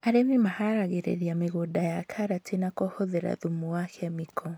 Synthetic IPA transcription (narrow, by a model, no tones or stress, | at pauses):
aɾemimahaɾaɣeɾḛðiameɣodajakʰaɾatinakɔhoðeɾa̰ðumuakɛmikʰɔ